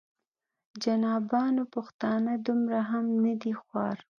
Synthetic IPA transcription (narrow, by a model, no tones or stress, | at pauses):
d͡ʒanɑbɑnopʊxt̪ɑnad̪ʊmɾaɦamnad̪ixwɑɾ